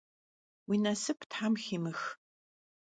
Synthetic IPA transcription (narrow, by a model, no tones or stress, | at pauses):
winɐsɨpʰtħamximɨx